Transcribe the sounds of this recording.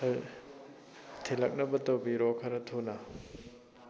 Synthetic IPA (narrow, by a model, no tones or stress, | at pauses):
tʰelɐk̚nɐbɐtɐwbiɾokʰɐɾɐtʰonɐ